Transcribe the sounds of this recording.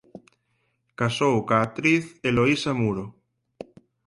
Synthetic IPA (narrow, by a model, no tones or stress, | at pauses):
kasowkat̪ɾiθeloisamuɾo